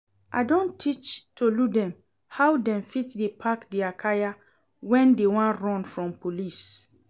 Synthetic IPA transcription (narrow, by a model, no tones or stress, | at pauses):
ʔa̰ɪdõntʰit͡ʃtʰoludɛ̃m | hawdɛ̃mfitdepʰakdeakʰaja | wɛ̃ndewãnɹɔ̃nfɹɔ̃mpolis